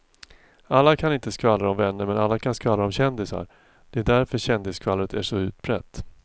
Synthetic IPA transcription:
alːakʰanɪnt̪əskvalːɾaɔmvɛnːəɾmɛnalːakʰanskvalaɔmɕɛnd̪ɪsa̰ɾ | d̪̥ɛæɖ̪æɾfœɾɕɛnd̪ɪskʰvalːɾət̪ʰæʂɔʉ̟ːt̪̚bɾɛ̰t̪ː

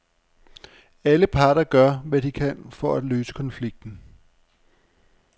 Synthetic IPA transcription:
æləpʰɑ̈ːɾ̥ɐɡ̥ɶɐ̰ʋæd̥ikʰænfɒ̽æ̥løːsə̥kʰɒ̽nfliɡ̥̚d̥n̩

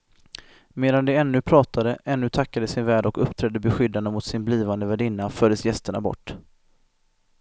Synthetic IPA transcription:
meːd̪and̪ɛɛnːɵpʰɾɑːt̪ʰad̪əʔɛnːɵt̪ʰakːad̪əsɪnvæːɖɔkɵpːt̪ʰɾɛd̪ːəbɛɧʏd̪ːand̪əmʊt̪sɪnbliːvand̪əvɛɖɪnːafœːɖəsjɛst̪əɳa̰bɔ̰ʈː

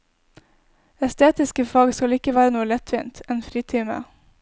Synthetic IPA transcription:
ɛst̪eːt̪ɪskəfɑːɡskɑlɪkəʋæːɾənuːəlɛt̪ʰʋḭːnt̪ʰɛːnfɾiːt̪ʰiːmə̰

